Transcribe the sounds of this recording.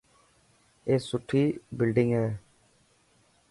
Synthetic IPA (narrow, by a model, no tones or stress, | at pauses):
eːsʊʈʰːiːbɪlɖɪŋɡɦɛː